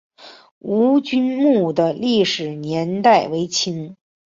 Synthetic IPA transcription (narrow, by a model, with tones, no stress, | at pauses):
u˧˥t͡ɕy˥nmu˥˩d̪ə˩li˥˩ʂɻ̩˨˩njɛ˧˥nt̪a˥˩ɪwe˧˥ɪt͡ɕʰi˥ŋ